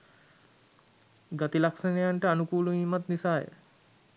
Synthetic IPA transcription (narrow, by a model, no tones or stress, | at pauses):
ɡat̪ilaksənejaɳʈəanukuːluiːmat̪nisaːjə̰